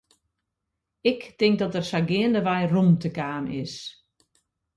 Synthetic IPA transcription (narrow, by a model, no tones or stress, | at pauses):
ɪktɪŋk̚dɔtərsaɡɪəndəʋajrumtəkaːmɪ̰s